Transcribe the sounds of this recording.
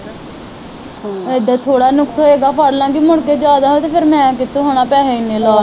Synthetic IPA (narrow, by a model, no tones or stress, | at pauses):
ed̪aːt̪ʰoːɽaːnʊkt̪oːeːɡaːpʰəɽlãːɡimʊɽkeːd͡ʒjaːd̪aːɦoːt̪eːpʰɪɾmɛ̃ːkɪt̪oːɦoːɽ̃aːpɛːɦeːɪnːẽːlɔː